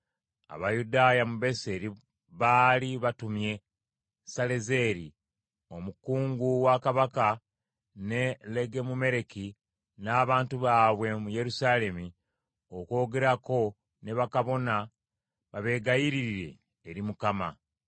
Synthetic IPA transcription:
a̰βajudaːjamuβe̞se̞ɾi | βaːliβatumje̞ | saleze̞ɾi | o̞mukuːŋɡuwakaβaka | ne̞le̞ɡe̞mume̞ɾe̞ki | naːβaːntuβaːβwe̞muje̞ɾusaːle̞mi | oko̞ːɡe̞ɾako̞ | ne̞βakaβo̞na | βaβe̞ɡajiɾiɾiɾe̞̰ː | ɾimukama̰

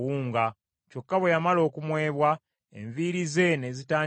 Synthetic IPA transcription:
wuːŋɡa | co̞kːaβwe̞jamalo̞ːkumwe̞ːβwa | ḛɱviɾize̞ne̞zitaːɲ

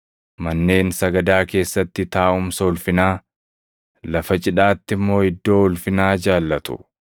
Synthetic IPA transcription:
mɐnːe̞ːnsɐɡɐd̪aːke̞ːsːɐt̪ːɪt̪aːʔʊmsɐʊlfɪnaː | lɐfɐt͡ʃʼɪᶑaːt̪ːɪmːo̞ːɪd̪ːo̞ːhʊlfɪnaːd͡ʒaːlːɐt̪ʊ̰

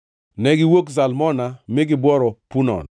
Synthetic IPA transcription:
nɛɡɪwoksalmɔnamɪɡɪbwɔɾɔpunɔ̰n

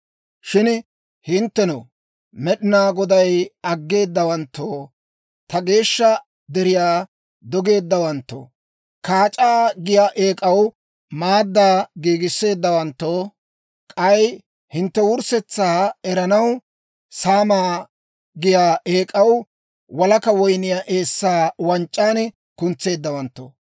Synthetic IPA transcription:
ʃɪn | hɪnt̪ːɛnɐ | mɛɗɪnaːɡɔd̪ɐjɐɡːe̞ːd̪ːɐwɐnt̪ːoː | t̪ɐɡe̞ːʃːɐ | d̪ɛɾɪjaː | d̪ɔɡe̞ːd̪ːɐwɐnt̪ːo̰ː | kʰaːt͡ʃʼaːɡɪjaːʔe̞ːkʼɐw | maːd̪ːaːɡiːɡɪsːe̞ːd̪ːɐwɐnt̪ːoː | kʼɐj | hɪnt̪ːɛwʊɾsɛt͡sːaːɛɾɐnɐw | saːmaː | ɡɪjaːʔeːkʼɐw | wɐlɐkɐwɔjnɪjaʔe̞ːsːaːwɐnt͡ʃʼːaːnɛ | kʊnt͡sːe̞ːd̪ːɐwɐnt̪ːo̰ː

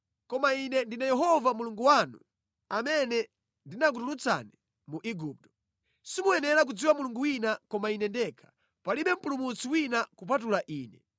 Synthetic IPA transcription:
kɔmainɛndinajɛɦɔvamuluŋɡuwanṵ | amɛnɛ | ndinak̬utulut͡sa̰ni | muʔiɡuːp̚tɔ̥ | simuɛnɛɾak̬ud͡ziwamuluŋɡuwinakɔmainɛndɛkʰḁ | paliɓɛm̩pulumut͡siwinakup̬atulaʔiːnɛ

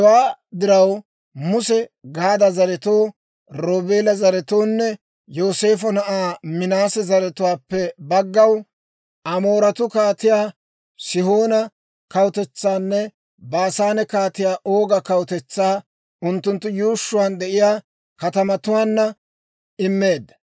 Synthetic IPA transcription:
waːd̪ɪɾɐw | mʊsɛɡaːd̪ɐzɐɾɛt̪o̞ː | ɾoːbe̞ːlɐzɐɾɛt̪o̞ːnːɛ | jo̞ːse̞ːfɔnɐʔaːmɪnaːsɛzɐɾɛt̪ʊwaːpːɛbɐɡːɐw | ʔɐmo̞ːɾɐt̪ʊkaːt̪ɪjaː | sɪho̞ːnɐ | kɐwt̪ɛt͡sːaːnːɛ | baːsaːnɛkaːt̪ɪjaːʔo̞ːɡɐkɐwt̪ɛt͡sːaː | ʔʊnt̪ːʊnt̪ːʊjuːʃːʊwaːnd̪ɛʔɪjaː | kɐt̪ɐmɐt̪ʊwaːnːɐ | ɪmːeːd̪ːɐ

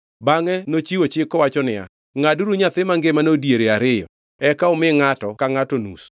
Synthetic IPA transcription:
baŋɛnot͡ʃiwot͡ʃɪkɔwat͡ʃɔnɪa̰ | ŋaduɾuɲat̪ɪmaŋɡemanodjeɾeaɾɪjɔ̰ | ɛkaʊmɪŋatɔkaŋatonus

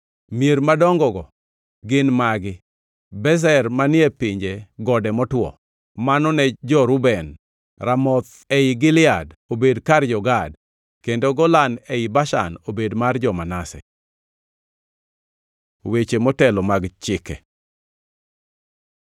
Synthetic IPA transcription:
mieɾmadɔŋɡɔɡɔ | ɡɪnmaɡɪ | bɛzɛrmanɪɛpɪɲd͡ʒeɡɔdɛmɔtwɔ̰ | manɔnɛd͡ʒɔɾʊbɛn | ramɔt̪ | eɪɡɪlɪadobedkard͡ʒɔɡad | kendoɡɔlanɛibaʃa̰nobedmard͡ʒɔmanasɛ̰ | wet͡ʃemɔtɛlɔmaɡt͡ʃɪkɛ̰

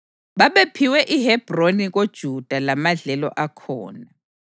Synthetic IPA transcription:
ɓaɓepʰiwɛʔihɛb̥ʱroniɣ̬od̥ʒ̥ʱud̥ʱalamaɮɛlɔ̰ʔakʰɔ̰ːna

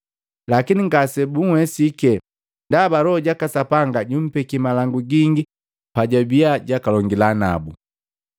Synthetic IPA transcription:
lakiniŋɡasɛbuŋwɛsikɛ | ndabalɔɟakasapaŋɡaɟum̩pɛkimalaŋɡuɡiŋɡi | paɟabiaɟakalɔŋɡilana̰bu

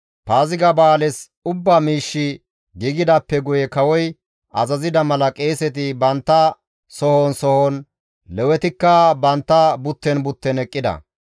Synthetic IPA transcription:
paːzɪɡɐbaːlɛs | ʊbːaːmiːʃːɪ | ɡiɡɪd̪ɐpːɛɡʊjɛkɐwɔj | ʔɐ̰zɐzɪd̪ɐmɐlɐkʼeːsɛt̪̬ɪbɐnt̪ːɐ | sɔhɔnsɔhɔn | lɛwɛt̪ɪkːɐbɐnt̪ːɐbʊt̪ːɛnbʊt̪ːɛnɛkʼːɪd̪ɐ̰

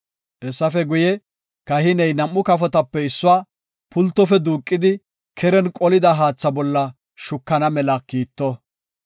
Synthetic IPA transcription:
ʔɛsːɐfɛɡʊjɛ | kɐhɪnɛjnɐmːʊkɐfɔt̪ɐpːɛɪsːʊwaː | pʊlt̪ːɔfɛd̪uːkʼːɪd̪ɪ | kʰɛɾɛnkʼɔlɪd̪ɐɦaːt͡sːɐbɔlːɐ | ʃʊkːɐnɐmɛlɐkiːt̪ːɔ

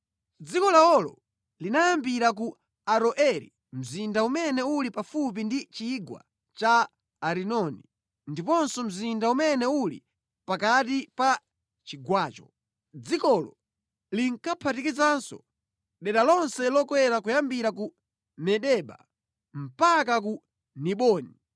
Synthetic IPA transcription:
d͡zikɔlaɔlɔ̰ | linajambiɾak̬u | aɾɔʔɛɾḭ | m̩zindaumɛnɛulipafup̬indit͡ʃiɡwa̰ | t͡ʃaː | ɾinɔni | ndipɔnsɔm̩zindaumɛnɛulḭ | pakatipa | t͡ʃiɡwaːt͡ʃɔ | d͡zikɔlɔ̰ | liŋkapʰatikit͡sansɔ̰ | ɗɛɗalɔnsɛlɔkwɛɾakujambiɾaku | mɛɗɛɓa̰ | m̩pakak̬u | niɓɔːni

